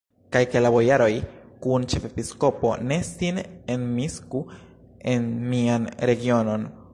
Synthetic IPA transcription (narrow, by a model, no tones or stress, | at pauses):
kajkelabo̞jaɾo̞jkunt͡ʃe̞fepisko̞po̞̰ne̞sinenmisku | enmianɾe̞ɡio̞no̞n